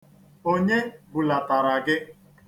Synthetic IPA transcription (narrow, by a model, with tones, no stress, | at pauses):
o˦ɲe˦bʊ˨la˨ta˨ɾa˨ɡɪ˦